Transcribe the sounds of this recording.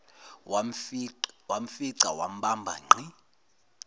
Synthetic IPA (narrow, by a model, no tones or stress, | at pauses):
wam̩fiǀawam̩ɓambʱa̰ŋ͡ǃʱi